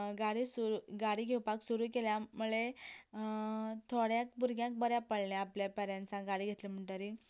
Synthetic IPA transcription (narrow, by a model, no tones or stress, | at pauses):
ɡaɽisuɾuɡaɽiːɡʱewpaksuɾuːkeljamuɭe | t̪ʰoɽjãk̚buɾɡjãk̚bəɾjapəɽljaapljapɛɾãnt͡sãɡaɽiːɡʱet̪lim̤əɳʈaɾi